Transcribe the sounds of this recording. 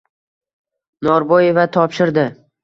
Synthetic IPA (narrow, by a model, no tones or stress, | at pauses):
nɒɾboje̞vat̪ʰɒpʃɪɾd̪ɪ